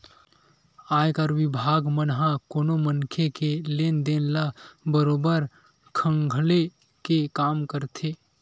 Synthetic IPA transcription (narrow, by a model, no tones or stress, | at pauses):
aːjkəɾʋɪbʱaːɡmənɦãkoːnomənkʰekelend̪enlabəɾoːbəɾ | kʰə̃ŋɡʱle | kekaːmkəɾt̪ʰe